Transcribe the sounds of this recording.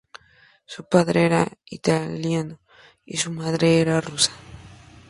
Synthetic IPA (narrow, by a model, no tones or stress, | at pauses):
supaðɾeɾaḭt̪aljano | ḭsumaðɾeɾarusḁ